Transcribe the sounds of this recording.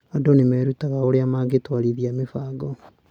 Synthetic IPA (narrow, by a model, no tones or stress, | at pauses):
adɔnemɛːɾutaɣaoɾeamaɡetwaɾiðiamefaɡɔ